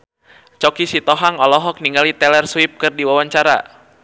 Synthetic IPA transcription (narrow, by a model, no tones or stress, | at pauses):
t͡ʃɔkisit̪ɔɦaŋɔlɔɦɔk̚niŋɡalit̪ɛlɛrswip̚kɨrdiwawaɲt͡ʃaɾa̰